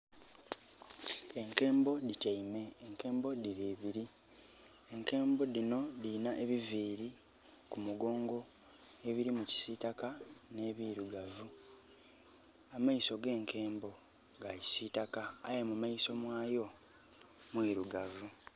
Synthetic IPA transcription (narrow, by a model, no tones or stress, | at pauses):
e̞ŋke̞ːmbo̞ditajime̞ːŋke̞ːmbo̞diɾeːβiɾi | eŋke̞ːmbo̞ðino̞ðinaʔeβiviːɾi | kumuɡo̞ːŋɡo̞ | e̞βiɾimuci̥siːtakane̞ːβiːɾuɡavu | amaiso̞ɡe̞ːŋkʰe̞ːmbo̞ | ɡaji̥siːtaka̰ːjemumajiso̞mwaːjo̞ | mwiːɾuɡavu